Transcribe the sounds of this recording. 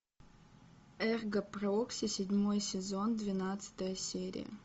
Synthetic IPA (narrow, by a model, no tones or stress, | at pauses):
ɛrɡəproksʲɪsʲɪdʲmo̞jsʲɪzo̞nd̪vʲɪnat̪sɨ̥t̪əjəsʲeɾʲɪ̰jə̰